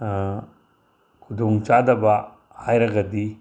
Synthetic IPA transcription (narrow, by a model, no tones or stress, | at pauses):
kʰudoŋt͡ʃadɐbɐ | hajɾɐɡɐdi